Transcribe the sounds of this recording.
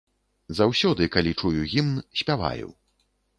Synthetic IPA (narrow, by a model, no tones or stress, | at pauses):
zawsʲɔd̪ɨkalʲit͡ʂujuɣʲimnsʲpʲava̰jṵw